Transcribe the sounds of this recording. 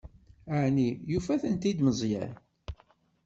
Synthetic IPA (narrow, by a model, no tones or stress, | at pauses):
aʕnijufæθənt̪id̪məzˤjæ̰n